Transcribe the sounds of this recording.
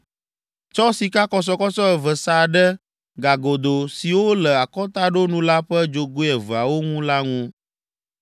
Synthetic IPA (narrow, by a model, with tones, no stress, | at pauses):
t͡ʃɔ˦si˨ka˦kɔ˨s̬ɔ˨kɔ˦t͡ʃɔ˦ɛ˨və˨sa˨ɖɛ˦ | ɡa˨ɡo˨d̪o˨si˨wo˦lɛ˨a˨kɔ˦t̪a˦ɖo˦nũ˦la˦ɸɛ˦d͡ʒo˨ɡo˦ɛ˨və˨a˨wo˦ŋũ˦la˦ŋũ˦